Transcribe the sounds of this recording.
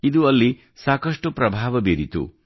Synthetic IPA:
id̪uɐlːi | saːkɐʂʈupɾɐbʱaːʋɐbeːɾit̪ṵ

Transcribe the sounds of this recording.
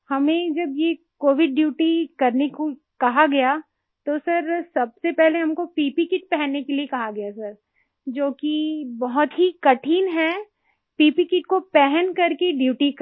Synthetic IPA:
hɐmẽd͡ʒɐbjekoːʋɪɖːjuːʈikɐɾneko | kɐɦaɡɐja | t̪osɐɾsɐbsepɛɦleɦɐmkopiːpikɪʈ̚pɛɦɛnːekeliekɐɦaɡɐjasɐɾ | d͡ʒoːkibɐɦʊt̪ɦikɐʈʰiːnɦɛ | piːpikɪʈkopɛɦɛnkɐɾkeɖjuːʈik

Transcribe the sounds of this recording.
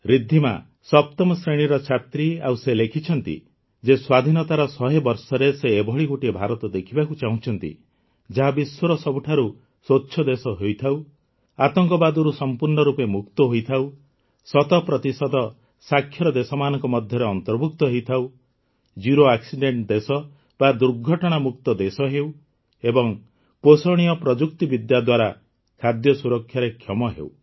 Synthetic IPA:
ɾid̪ʱːima̰ | sɔp̚t̪ɔmɔsɾeɽ̃iɾɔt͡ʃʰat̪ɾiawselekʰit͡ʃʰɔnt̪ḭ | d͡ʒeswad̪ʱinɔt̪aɾɔsɔɦebɔɾsɔɾeseːbʱɔɭiɡoʈiebʱaɾɔt̪ɔd̪ekʰibakut͡ʃaũt͡ʃʰɔnt̪ḭ | d͡ʒaɦabiswɔɾɔsɔbuʈʰaɾu | sotːʃʰɔd̪esɔɦojt̪ʰaw | at̪ɔŋkɔbad̪ɔɾusɔmpuɾɳɔɾupemukt̪ɔɦojt̪ʰaw | sɔt̪ɔpɾɔt̪isɔd̪ɔ | sakʰːjɔɾɔd̪esɔmanɔŋkɔmɔd̪ʱjɔɾeɔnt̪ɔɾbʱuk̚t̪ɔɦejt̪ʰaw | d͡ʒuɾoaksiɖeɳʈd̪esɔ | bad̪uɾɡʱɔʈɔɽ̃amukt̪ɔd̪esɔɦew | ebɔŋ | posoɽ̃ijɔpɾɔd͡ʒukt̪ibid̪jad̪waɾa | kʰad̪jɔsuɾɔkʰːjaɾekʰjɔmɔɦḛw

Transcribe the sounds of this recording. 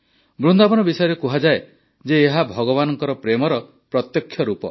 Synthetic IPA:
bɾund̪abɔnɔbisɔjɔɾekuɦad͡ʒae | d͡ʒeːɦabʱɔɡɔβanɔŋkɔɾɔpɾemɔɾɔ | pɾɔt̪jɔkʰːjɔɾupɔ

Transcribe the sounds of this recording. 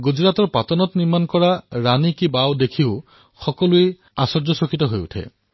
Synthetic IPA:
ɡud͡ʒɹatɔɹpatɔnɔtniɹmankɔɹaɹanikibawdekʰiʊ | xɔkɔluej | asɔɹd͡ʒɔsokʰitɔɦojṵtʰḛ

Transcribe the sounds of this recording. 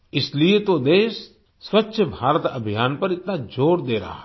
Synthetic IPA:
ɪsliet̪od̪eːs | swətːʃʰəbʱaːɾət̪ɐbʱijaːnpɐɾɪt̪nad͡ʒoːɾd̪eːɾa̰ɦa

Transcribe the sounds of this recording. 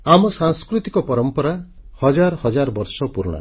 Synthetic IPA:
amɔsaŋskɾut̪ikɔpɔɾɔmpɔɾahɔd͡ʒaɾɔhɔd͡ʒaɾɔbɔɾsɔpuɾɔɽ̃a̰

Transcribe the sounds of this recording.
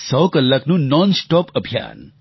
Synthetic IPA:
sɔwkəlːɐknunɔnsʈɔpəbʱija̰ːn

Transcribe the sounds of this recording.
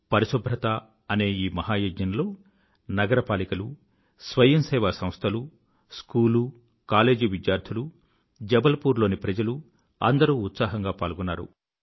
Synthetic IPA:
pɐɾisobʱɾɐt̪a | ɐne̞ːiːmɐɦaːjoːd͡ʒɲɐnlo̞ː | nɐɡɐɾɐpaːlikɐlu | sʋɐjɐmsɛːʋaːsɐmst̪ʰɐlu | skuːlu | kaːle̞ːd͡ʒiʋid̪jaːɾt̪ʰulu | d͡ʒɐbɐlɐpuːɾlo̞ːnipɾɐd͡ʒɐlu | ɐ̰nd̪ɐɾuːt̪saːɦɐŋɡaːpaːlɡunːaːɾṵ

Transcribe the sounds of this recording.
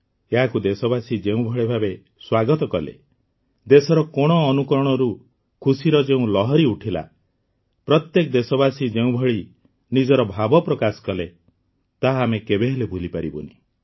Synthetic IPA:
eɦakud̪esɔbasid͡ʒeũbʱɔɭebʱabe | swaɡɔt̪ɔkɔlḛ | d̪esɔɾɔkɔɽ̃ɔːnukɔɾɔɽ̃ɔɾu | kʰusiɾɔd͡ʒeũlɔɦɔɾiuʈʰila̰ | pɾɔt̪jekɔd̪esɔbasid͡ʒeũbʱɔɭi | nid͡ʒɔɾɔbʱabɔpɾɔkasɔ̥kɔle | t̪aɦːmekebeɦelebʱulipaɾibɔ̰ni

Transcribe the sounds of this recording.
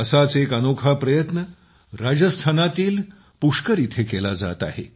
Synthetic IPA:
əsat͡sekənokʰapɾəjət̪nə | ɾad͡zəst̪ʰanat̪iːl | puʂkəɾit̪ʰekelad͡za̰t̪a̰ɦḛ

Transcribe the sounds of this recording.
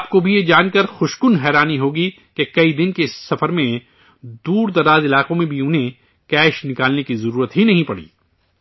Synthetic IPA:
aːp̚kobʱijed͡ʒaːnkɐɾxʊʃkʊnɦɛːɾaːniɦoːɡi | kekɐid̪ɪnkesːɐfəɾmẽ | d̪uːɾd̪ɐɾaːzɪlaːqõmẽbʱiʊnɦẽ | kɛːʃnɪkaːlnekizɐɾuːɾət̪ɦinɐɦĩpɐɽḭː

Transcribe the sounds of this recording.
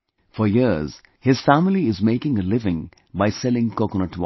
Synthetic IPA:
fɔjiz̥ | hɪz̥fæmɪliɪzmeɪkɪ̃ŋəlɪvɪ̃ŋ | baɪsɛlɪ̃ŋkokənət

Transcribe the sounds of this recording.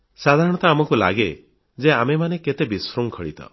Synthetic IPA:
sad̪ʱaɾɔɽ̃ɔt̪ɔamɔkula̰ɡe | d͡ʒeamemaneket̪ebisɾuŋkʰɔɭḭt̪ɔ̰

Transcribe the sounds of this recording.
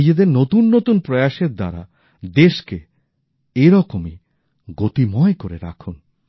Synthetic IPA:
id͡ʑed̪eɾnot̪unːot̪unpɾɔjaʃeɾd̪a̰ɾa̰ | d̪eʃke | eɾɔkomi | ɡot̪imɔekoɾḛɾa̰kʰon

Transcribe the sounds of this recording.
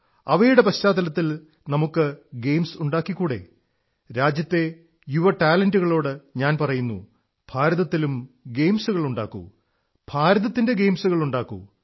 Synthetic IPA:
ɐʋɐjuɽe̞pɐɕt͡ɕaːd̪ɐlɐt̪ːil | nɐmukːɨɡe̞jmsuɳɖaːkːikːuːɽe̞̰ | ɾaːd͡ʑjɐt̪ːe̞ | juʋɐʈaːlɐnduɣɐɭo̞ːɽɨɲaːnpɐrɐjunːṵ | b̥ʱaːɾɐðɐt̪ːilumɡejmsuɣɐɭuɳɖa̰ːkːṵ | b̥ʱaːɾɐðɐt̪ːinde̞ɡe̞jmsuɣɐɭuɳɖaːkːṵ

